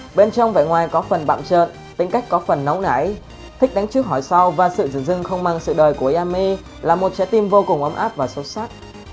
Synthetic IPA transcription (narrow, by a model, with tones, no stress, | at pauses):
ɓe˧nt͡ɕɔ˧wŋ͡mva̰˧˨ŋwaː˨˩jkɔ˨˦fə˨˩nɓa̰ː˧˨mt͡ɕə̰ː˧˨n | t̪ï˨˦ŋ̟ka˦˥jk̟̚kɔ˨˦fə˨˩nːə˨˦wna̰ː˧˩j | t̪ʰi˦˥k̚ɗa˨˦ŋ̟t͡ɕɨ˦˥ək̚ɦɔ˧˩jsa˧wvaː˨˩sɨ̰˧˨zɨ̰˧˩ŋzɨ˧ŋxə˧wŋ͡mmaː˧˩ŋsɨ̰˧˨ɗəː˨˩jku˧˩əʔaː˧mi˧ | laː˨˩mo˨˩t̚t͡ɕɛ̰˧˥t̪i˧mvo˧kʊ˨˩ŋ͡mʔə˨˦wŋ͡mʔaː˦˥p̚vaː˨˩so˨˦saː˦˥t̚